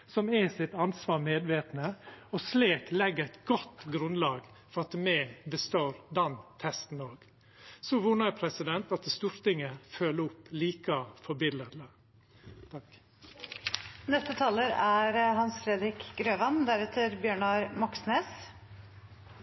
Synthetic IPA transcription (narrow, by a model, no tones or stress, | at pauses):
sɔmɛsɪt̪ɑnsʋɑːɾmeːd̪ʋeːt̪nəɔsliːklɛɡəɾɛt̪ɡɔt̪ɡɾʉnlɑːɡ | fɔɾɑt̪mɛbəst̪oːɾd̪ɛnt̪ʰɛst̪n̩oːɡ̥ | sɔʋʊnəɾpʰɾɛsɪd̪ɛnt̪ɑt̪st̪uːɾt̪ɪŋːəføːləʊpːliːkəfɔbɪləɾlə | t̪ʰɑ | nɛst̪ət̪ʰɑːləɾæɾhɑnsfɾeːd̪ɾɪkɡ̥ɾøːʋɑnd̪æɾɛt̪ʰəɾbjøːɳɑɾmɑksneːs